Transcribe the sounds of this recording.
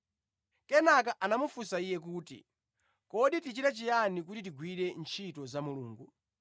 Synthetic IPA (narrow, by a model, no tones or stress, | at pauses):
kɛnakaʔanamufusaijɛk̬uːtḭ | kɔɗitit͡ʃiɾat͡ʃijanik̬utit̬iɡwiɾɛnt͡ʃʰitɔzamuluːŋɡu